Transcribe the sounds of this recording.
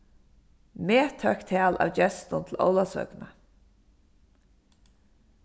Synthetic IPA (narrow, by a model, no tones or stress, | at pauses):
meːt̪ʰœkt̪ʰæːlʔa̰ːwd͡ʑɛst̪ʊnt̪ʰɪlʔɔ̰wlasʋœ̰kna